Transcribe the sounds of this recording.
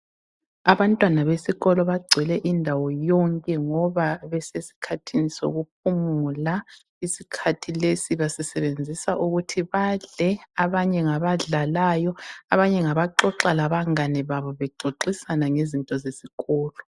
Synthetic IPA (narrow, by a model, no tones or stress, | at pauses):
aβantʼwanaβesiɣɔlɔβaɡ͡ǀʱɛlɛʔindʱawɔjɔŋkʼɛŋɔβaβɛsesi̥kʰatʰiniso̰ɣup̚ʰumula | isikʰatʰilesiβasɛsɛβend͡zʱisaʔuɣutʰiβaɮɛaβaɲɛŋaβaɮalajɔaβaɲɛŋaβaǁɔǁalaβaŋanɛβaβɔβɛɡ͡ǃʱoǃisanaŋezintʼɔzesiɣɔːlɔ